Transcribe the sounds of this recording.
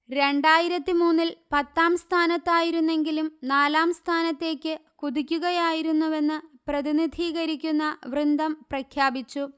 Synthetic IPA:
ɾe̞ɳɖaːjiɾɐt̪ːimuːnːilpɐt̪ːaːmst̪ʰaːnɐt̪ːaːjiɾunːe̞ŋɡilumnaːlaːmst̪ʰaːnɐt̪ːe̞ːkʲːɨkuðikʲːuɣɐjaːjiɾunːɐʋe̞nːɨprɐðinid̪ʱiːɣɐɾikʲːunːɐʋrɨnd̪ʱɐmprɐkʰjaːbit͡ɕːu

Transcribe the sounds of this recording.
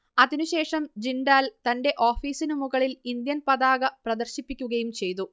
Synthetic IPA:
ɐðinuɕe̞ːʂɐmd͡ʑinɖaːlt̪ɐnɖe̞ʔo̞ːfiːsinumuɣɐɭilind̪jɐnpɐðaːɣɐprɐd̪ɐrɕipːikʲːuɣɐjumt͡ɕe̞jt̪u

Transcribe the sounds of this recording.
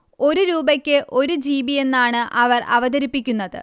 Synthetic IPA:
o̞ɾuɾuːbɐkʲːɨʔo̞ɾud͡ʑiːbije̞nːaːɳɨʔɐʋɐrɐʋɐd̪ɐɾipːikʲːunːɐðɨ̰

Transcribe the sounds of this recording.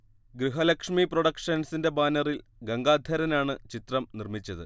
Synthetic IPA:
ɡɾiɦɐlɐkʂmiproɽɐkʂɐnsinde̞baːnɐrilɡɐŋɡaːd̪ʱjɐɾɐnaːɳɨt͡ɕit̪rɐmnirmit͡ɕːɐðɨ̰

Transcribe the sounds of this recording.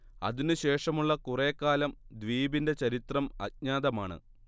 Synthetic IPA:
ɐ̰ðinɨɕe̞ːʂɐmuɭːɐkureːkːaːlɐmd̪ʋiːbinde̞t͡ɕɐɾit̪rɐmɐ̰t̚ɲaːðɐma̰ːɳɨ̰

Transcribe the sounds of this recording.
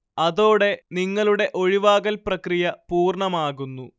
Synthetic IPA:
ɐðo̞ːɽe̞niŋːɐɭuɽe̞ʔo̞ɻiʋaːɣɐlprɐkrijɐpuːrɳɐmaːɣunːu

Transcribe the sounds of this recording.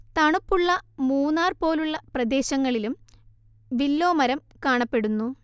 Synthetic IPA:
t̪ɐɳupːuɭːɐmuːnːaːrpo̞ːluɭːɐprɐd̪e̞ːɕɐŋːɐɭilum | ʋilːo̞ːmɐɾɐmkaːɳɐpːe̞ɽunːu

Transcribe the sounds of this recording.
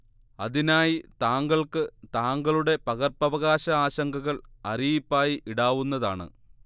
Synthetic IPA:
ɐðinaːjit̪aːŋɡɐɭkɨt̪aːŋɡɐɭuɽe̞pɐɣɐrpɐʋɐɣaːɕɐaːɕɐŋɡʱɐɣɐɭɐrijipːaːjiʔiɽaːʋunːɐðaːɳɨ̰

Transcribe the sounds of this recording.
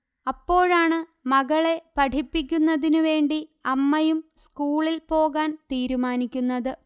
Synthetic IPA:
ɐpːo̞ːɻaːɳɨmɐɣɐɭe̞pɐʈʰipːikʲːunːɐðinuʋe̞ːɳɖiɐmːɐjumskuːɭilpo̞ːɣaːnt̪iːɾumaːnikʲːunːɐðɨ

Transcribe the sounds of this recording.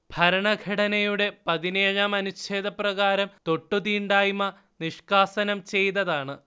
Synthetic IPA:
bʱɐɾɐɳɐɡʱɐɽɐnɐjuɽe̞pɐðineːɻaːmɐnut͡ɕe̞ːðɐprɐɣaːɾɐmt̪o̞ʈːut̪iːɳɖaːjmɐ | niʂkaːsɐnɐmt͡ɕe̞jt̪ɐðaːɳɨ

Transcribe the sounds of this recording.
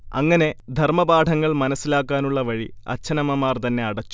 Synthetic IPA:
ɐ̰ŋːɐne̞d̪ʱɐrmɐbaːʈʰɐŋːɐɭmɐnɐsːilaːkːaːnuɭːɐʋɐɻiɐ̰t͡ɕʰːɐnɐmɐmaːrt̪ɐnːe̞ɐɽɐt͡ɕːu̥

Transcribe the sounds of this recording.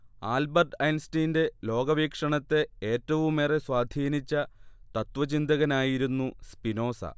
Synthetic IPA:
aːlbɐrɖɐjnstijnde̞lo̞ːɡɐʋiːkʂɐɳɐt̪ːe̞eːtːɐʋumːeːre̞sʋaːd̪ʱiːnit͡ɕːɐt̪ɐt̪ʋɐt͡ɕind̪ɐɣɐnaːjiɾunːuspino̞ːsɐ̰

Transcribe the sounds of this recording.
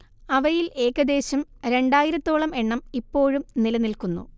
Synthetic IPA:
ɐʋɐjile̞ːkɐd̪e̞ːɕɐmɾe̞ɳɖaːjiɾɐt̪ːoːɭɐme̞ɳːɐmipːo̞ːɻumnilɐnilkunːṵ

